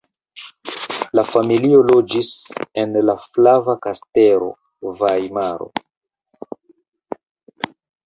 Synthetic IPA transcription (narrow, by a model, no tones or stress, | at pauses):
lafamilio̞lo̞d͡ʒise̞nlaflavakaste̞ɾo̞̰ | vajmaɾo̞̰